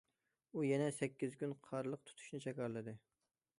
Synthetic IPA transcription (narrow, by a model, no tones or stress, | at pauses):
ujɛnɛsɛkʲːizkʲynqʰɑɾlˠəq̚t̪ʰu̥t̪ʰu̥ʃnɪt͡ʃʰɛkʲɑɾlˠɨd̪ɨ